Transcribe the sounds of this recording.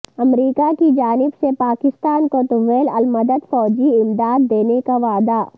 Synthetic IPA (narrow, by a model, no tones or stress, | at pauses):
ɐmɾiːkakid͡ʒaːnɪbsepaːkɪst̪aːnkot̪əʋeːlɐlmɐd̪əd̪fɔːd͡ʒiɪmd̪aːd̪ːeːnekaʋaːd̪a